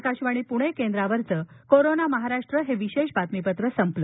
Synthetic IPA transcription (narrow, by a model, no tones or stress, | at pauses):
kaɕʋaɽ̃ipuɽ̃ekend̪ɾaʋəɾt͡səkoɾonaməɦaɾaʂʈɾəɦeʋiɕeɕbat̪mipət̪ɾəsəmplə